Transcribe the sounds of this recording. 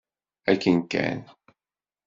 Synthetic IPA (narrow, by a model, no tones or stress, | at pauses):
ækənkæ̰n